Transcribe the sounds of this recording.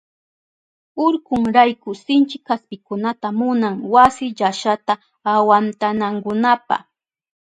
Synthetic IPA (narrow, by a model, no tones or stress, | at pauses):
ʊɾkʊŋɾajkʊsɪnt͡ʃɪkʰːaspɪkʊnat̪amʊnaŋwasɪʎaʃat̪aː | want̪anaŋkʊnapa̰